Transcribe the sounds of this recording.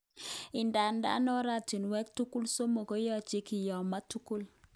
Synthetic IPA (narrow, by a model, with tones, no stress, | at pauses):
ɪ˨nda˨nda̰˨˦nɔ˦ɾa˦˨ti˨nwɛ˦k̚tu˦ku˦lso˦mo˨ko˦jɔ˦t͡ʃe˦ki˨jɔ˨ma˦tu˦ku˦l